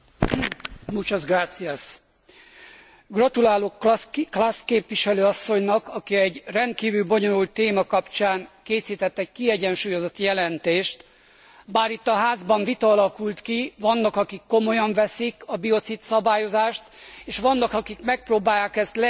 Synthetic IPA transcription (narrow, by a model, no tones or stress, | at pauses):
mut͡ʃozɡraːt̪siɛs | ɡrɒt̪ulaːloːkklaskeːpʋiʃɛløːɒsːo̞ɲnɒkɒkiɛɟrɛnt̪̚kiːvylbo̞ɲo̞lult̪ːeːmɒkɒpt͡ʃaːŋkeːsiːt̪ɛt̪ːɛc̚kiɛɟɛnʃuːjo̞zo̞t̪jɛlɛnt̪eːʃt̪ | baːɾit̪ːɒɦaːzbɒɱvit̪ɒːlɒkult̪kivɒnːɒkɒkikːo̞mo̞jɒɱvɛsikɒbio̞t̪sit̪sɒbaːjo̞zaːʃt̪eːʃʋɒnːɒkɒkikmɛk̚proːbaːjːaːkɛst̪lɛ